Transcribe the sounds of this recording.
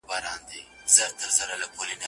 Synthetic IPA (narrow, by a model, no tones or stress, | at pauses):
bɑɾɑːnd̪i | zəɾt̪əɾzəɾalakʰolina